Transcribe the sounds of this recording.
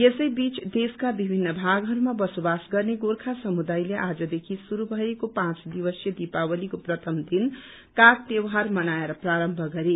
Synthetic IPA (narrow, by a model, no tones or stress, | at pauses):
esʌjbit͡sd̪eskabibʱinːʌbʱaɡɦʌɾumabʌsobasɡʌrneɡoɾkʰasʌmud̪ajleʔad͡zʌd̪ekʰisuɾubʱʌekopãt͡sd̪iwʌsjʌd̪ipawʌlikoprʌt̪ʰʌmd̪in | kak̚t̪ewɦarmʌnaeɾʌpraɾʌmbʱʌɡʌɾe